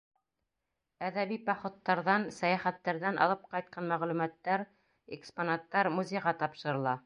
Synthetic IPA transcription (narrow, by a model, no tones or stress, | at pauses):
æðæβipɑχŏt̪ːɑɾðɑnsæjæχæt̪ːæɾðænʔɑ̰lˠɤp̚qɑjt̪̚qɑnmæʁlʉmæt̪ːæɾ | eksponat̪ːɑɾmuzʲejʁɑt̪ɑpʃɤ̆ɾɤ̆lˠɑ